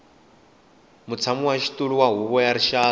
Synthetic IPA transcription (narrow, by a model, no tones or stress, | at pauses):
mut͡sʰamuwaʃi̥tʼuɺuwaɦuβɔjaɾiʃaː